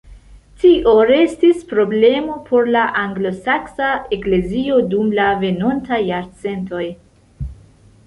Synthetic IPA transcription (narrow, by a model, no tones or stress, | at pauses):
tiʔoɾe̞stispɾo̞ble̞mo̞pʰo̞ɾlaʔaŋɡlo̞saksae̞kle̞zio̞dumlave̞no̞ntajːaɾt͡se̞nto̞j